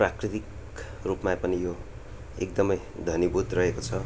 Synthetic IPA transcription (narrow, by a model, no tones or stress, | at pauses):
prakrit̪ik | rupmapʌnijo | ek̚d̪ʌmʌj | d̪ʱʌnibud̪rʌɦekot͡sʰʌ